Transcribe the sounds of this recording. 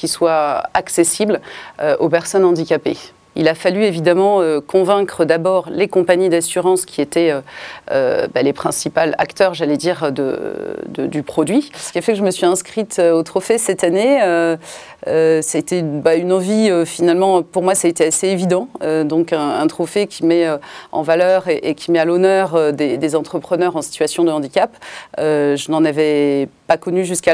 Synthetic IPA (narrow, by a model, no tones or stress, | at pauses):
kʲiswaaksesibløopɛʁsɔnɑ̃d̪ikʲapḛ | ḭlafalyevid̪amɑ̃økɔ̃vɛ̃kχəd̪abɔʁlekɔ̃paɲid̪asyʁɑ̃skʲʰiet̪ɛøø̰balepχɛ̃sipala̰kt̪œʁʒalɛd̪iʁd̪ə̰d̪ə̰d̪ypχɔd̪ɥisəkʲiafɛkəʒəməsɥiɛ̃skχit̪øot̪χɔfesɛt̪aneø | øsaet̪ebaynɑ̃viøfinalmɑ̃puʁmwasaet̪easeevid̪ɑ̃ød̪ɔ̃kɛ̃ɛ̃t̪χɔfekʲʰimɛøɑ̰̃valœʁeʔekʲimɛalɔnœʁød̪ed̪ezɑ̃t̪χəpχənœʁɑ̃si̥t̪ɥasjɔ̃d̪əɑ̃d̪ikʲapøʒənɑ̃navɛpakɔnyʒyska